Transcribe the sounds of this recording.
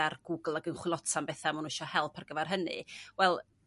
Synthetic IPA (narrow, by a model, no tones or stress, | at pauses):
arɡ̥ʊɡl̩ˠaɡənχwɪlˠɔtʰanbɛθamunuɪʃɔhɛlˠpʰarɡəvɛrɦənɨ̰wɛlˠ